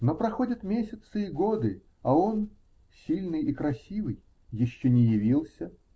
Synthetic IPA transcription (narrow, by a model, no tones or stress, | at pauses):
no̞pɾɐxo̞dʲɪt̪mʲesʲɪt̪sɨiɡo̞d̪ɨ | ɐo̞n | sʲilʲnɨjikɾɐsʲivɨj | jɪɕːonʲɪjɪvʲilˠsʲə